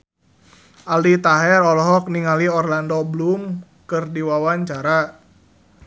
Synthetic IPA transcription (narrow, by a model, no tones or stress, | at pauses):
ʔalit̪aɦɛrɔlɔɦɔk̚niŋaliɔrlandɔblum | kɨrdiwawaɲt͡ʃaɾa